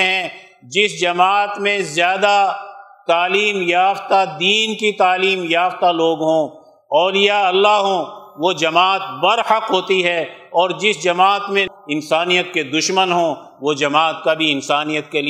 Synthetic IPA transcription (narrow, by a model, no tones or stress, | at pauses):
ɦɛ̃ | d͡ʒɪsd͡ʒɐmaːt̪mẽzjaːd̪at̪aːliːmjaːft̪ad̪iːnkit̪aːliːmjaːft̪aloːɡɦõː | ɔːlɪjaɐlːaɦõʋod͡ʒɐmaːt̪bɐɾhəqɦoːt̪iɦɛɔːɾd͡ʒɪsd͡ʒɐmaːt̪mẽ | ɪnsaːnijət̪ked̪ʊʃmənɦõː | ʋod͡ʒɐmaːt̪kabʱiɪnsaːnijət̪keli